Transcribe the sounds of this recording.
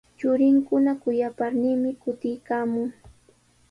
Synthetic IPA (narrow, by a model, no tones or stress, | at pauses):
t͡ʃʊɾɪŋkʊnakʊjapaɾniːmɪkʊt̪ɪjkaːmʊŋ